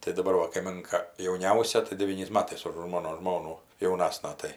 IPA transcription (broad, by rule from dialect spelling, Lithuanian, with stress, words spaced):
tɐɪ dɐˈbɐr ʋɐ kɐɪˈmʲɪŋkɐ jɛʊˈnʲɛʊsʲɛ tɐɪ dʲɛˈʋʲiːnʲɛɪs ˈmɑːtɐɪs ʊʃ ˈmoːnoː ˈʒmoːnuː jɛʊˈnɑːsnɐ ˈtɐɪ